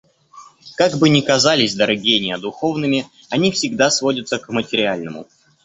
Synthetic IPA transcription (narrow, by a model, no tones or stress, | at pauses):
kaɡbɨnʲɪkɐzalʲɪsʲd̪əɾɐɡʲenʲɪəd̪ʊxo̞vnɨmʲɪ | ɐnʲifsʲɪɡd̪asvodʲət̪səkmətʲɪɾʲɪalʲnəmʊ̰